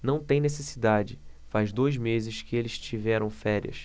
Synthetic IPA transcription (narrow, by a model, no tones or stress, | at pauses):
nɐ̃w̃t̪ẽj̃nesesid̪ad͡ʒɪfazd̪ojzmezɪʃkɪelɪʃt͡ʃivɛɾɐ̃w̃fɛɾḭɐ̰s